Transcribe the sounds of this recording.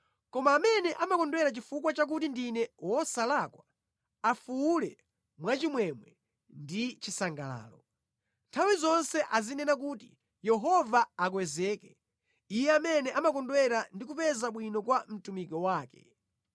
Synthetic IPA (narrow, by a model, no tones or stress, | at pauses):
kɔmaːmɛnɛʔamakɔndwɛɾat͡ʃifukwat͡ʃak̬utindinɛwɔsalakwa | afuulɛ | mwat͡ʃimwɛmwɛ | ndit͡ʃisaŋɡala̰ːlɔ | ntʰawizɔnsɛʔazinɛnak̬uːti | jɛɦɔvaak̬wɛzɛːkɛ | ijɛamɛnɛʔamak̬ɔndwɛɾandik̬upɛzaɓwinɔkwam̩tumikɔwaːkɛ̰